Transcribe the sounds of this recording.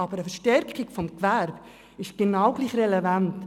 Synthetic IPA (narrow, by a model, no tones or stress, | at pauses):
ɑbəɾəfəɾʃtɛɾkɪɡ̥fɔmkvɛɾb̥ | ɪʃɡ̥enɑwɡ̥liːχrɛlevant